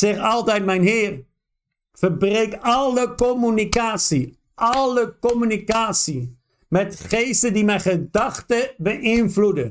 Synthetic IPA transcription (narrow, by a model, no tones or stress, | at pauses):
ɪχɑlˠtɛjt̚mɛjnɦɪːr | fərbrejkɑləkomynikaːtsi | ʔɑləkɔmynikaːtsi | mɛtχejstədimɛjχədɑχtəbəʔɪnvludə